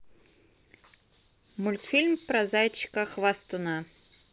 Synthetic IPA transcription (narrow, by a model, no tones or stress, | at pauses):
mulʲt̪fʲilʲmpɾɐzajt͡ɕːkɐxvast̪ʊna